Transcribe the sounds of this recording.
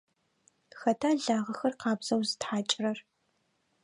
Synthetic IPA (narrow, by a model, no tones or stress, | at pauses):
xɐtʰaːɮaːʁɐxɐrqɑːbz̥ɐwzɨtħaːt͡ʃʼrɐr